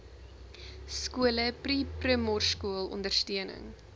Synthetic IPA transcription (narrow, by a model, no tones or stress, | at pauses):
skuələpriprəmɔrskuəlˠɔ̰ndərstiənə̰ŋ